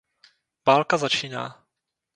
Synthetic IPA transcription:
ʋaːlkazat͡ʃiːna̰ː

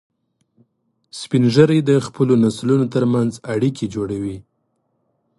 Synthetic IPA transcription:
spinʒəɾajd̪əxpəlonaslunot̪əɾmanzaɽikʰed͡ʒoɽawi

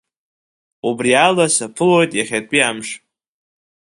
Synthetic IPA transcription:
ubrialasapʰɨlo̞jtʼjaχʲatʷʼiamʂ

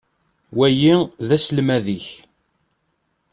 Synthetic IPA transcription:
wæjiðæsəlmæðiç

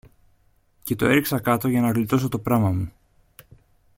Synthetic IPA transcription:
ce̞t̪o̞e̞ɾiksɐkɐt̪o̞ʝɐnɐɣlit̪o̞so̞t̪o̞pɾɐmɐmu

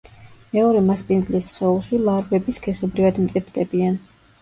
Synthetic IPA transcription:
mɛɔɾɛmaspʼinzlisχɛulˠʃilˠaɾbɛbiskʰɛsɔbɾivad̪mt̪sʼipʰd̪ɛbian

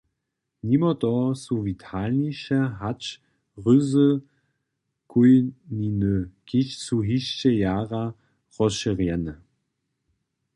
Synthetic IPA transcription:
nimɔtɔsuvitʰalniʃɛɦat͡ʃ | ʁʏzə | kʰujninəkɪɕsuɦiɕt͡ɕɛjaːʁa | ʁɔʃəʁjɛnə

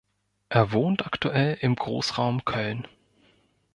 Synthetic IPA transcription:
ʔeːɐvoːntaktuʔɛlɪmɡʁo̰ːsʁ̥aʊmkʰœln

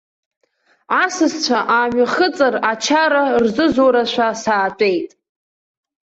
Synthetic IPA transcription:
asɨst͡ɕʷʰaʔaːmᶣaχət͡sʼarat͡ʃʰaɾarzɨzoɾaʃʷᶣasaːt͡ɕʷʼejtʼ

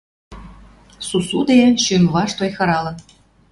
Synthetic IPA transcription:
susud̪eeʃymβɑʃt̪ojxɤ̆ɾɑlɤ̆

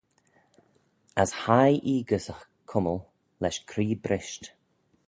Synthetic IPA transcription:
ashajʔiːɡəsəx | kʰʊməlˠ | lɛʃkʰɾiːbɾɪʃt

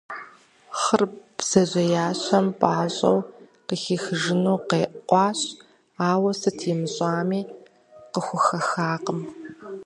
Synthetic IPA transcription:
χərb̥z̥ɐʑʷɐjaːɕɐmpʼaːɕʼɐ̰wqəxixɨʒɪnuːqeːʔqʷʼɑːɕ | aːwɐsɨtʰiːmɨɕʼaːmiː | qəxʷʊxɐxaːqəm

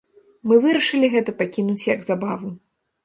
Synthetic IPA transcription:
mɨvɨɾɐʂɨlʲiɣɛt̪ɐpakʲinut͡sʲjɐɡzabavu

